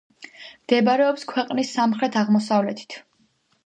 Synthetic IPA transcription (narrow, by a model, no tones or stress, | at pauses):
md̪̥ɛbaɾɛɔpskʰwɛqʼnisːamχɾɛt̪ʰaʁmɔsavlɛt̪ʰi̥t̪ʰ